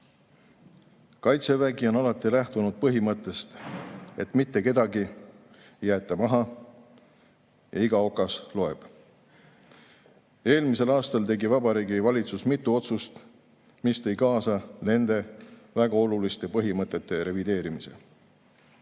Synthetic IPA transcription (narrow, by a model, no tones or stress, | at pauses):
kɑjt̪se̞væɡio̞nɑlɑt̪ːˑilæht̪unud̪̥̚pɤɦimɤt̪ːˑe̞st̪e̞t̪mit̪ːe̞ke̞d̪ɑɡi | jːæːt̪ːˑemɑɦɑ | jɑ̰iɡɑo̞kːˑɑslo̞e̞b̥ | e̞ːlmise̞lɑːst̪ɑlt̪e̞ɡivɑbɑɾiːɡivɑlʲit̪susmit̪ːˑuo̞t̪sust̪ | mist̪e̞jkɑːsɑne̞nd̪e̞væɡ̥ɑo̞lulist̪e̞pɤɦimɤt̪ːˑe̞t̪ːe̞ɾe̞vid̪e̞ːɾimise̞̰